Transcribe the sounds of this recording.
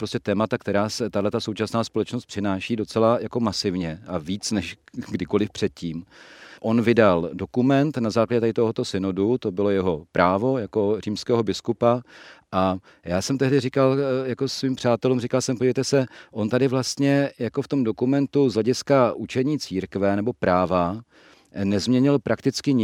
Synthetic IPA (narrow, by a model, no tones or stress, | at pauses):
pɾoscɛt̪ɛːmat̪akt̪ɛɾaːsɛt̪adlɛt̪asowt͡ʃasnaːspo̞lɛt͡ʃnost̪̚pr̥ɪnaːʃiːdo̞t͡sɛlajako̞masɪvɲɛʔaviːt͡snɛʃɡdɪko̞lɪfpr̝̥ɛt̪̚ciːmʔo̞nvɪdaldo̞kumɛnt̪nazaːklaɟɛt̪adɪt̪oɦot̪o̞sɪnodut̪o̞bɪlo̞jɛɦo̞pɾʔaːvo̞jako̞riːmskɛːɦo̞bɪskupaʔa | jaːsɛmt̪ɛɦdɪrikaljako̞sviːmpr̝aːt̪ɛlumrikalsɛmpoɟivejt̪ɛsɛʔo̞nt̪adɪvlast̪ɲɛjako̞ft̪o̞mdo̞kumɛnt̪uzɦlɛɟɪskaʔut͡ʃɛɲiːt͡siːɾkvɛnɛbo̞pɾaːva | nɛzmɲɛɲɪlpɾakt̪ɪt͡skɪɲɪ